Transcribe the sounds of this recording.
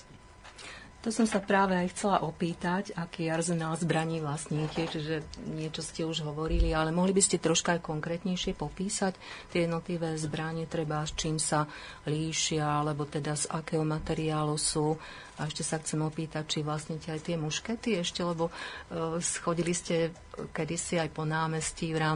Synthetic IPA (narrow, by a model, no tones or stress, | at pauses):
t̪ɔsɔmsapɾaːʋɛajxt͡sɛlaʔɔpiːt̪acakiːjaɾzɛnalzbɾaɲiːʋlasɲiːcɛt͡ʃiʒɛɲɪɛt͡ʃɔscɛuʒɦɔʋɔɾilialɛmɔɦlibiscɛt̪ɾɔʃkaajkɔŋkɾɛːt̪ɲɛjʃɪɛpɔpiːsact̪ːɪɛjɛd̪nɔt̪liʋɛːzbɾaɲɛt̪ɾɛbast͡ʃiːmsa | liːʃɪaalɛbɔt̪ɛd̪azakɛːɦɔmat̪ɛɾiaːlusuː | aɛʃcɛsaxt͡sɛmɔpiːt̪ac̚t͡ʃiʋlasɲicɛajt̪ɪɛmuʃkɛt̪iɛʃcɛlɛbɔ | sxɔɟiliscɛ | kɛd̪isiajpɔnaːmɛsciʋɾaːm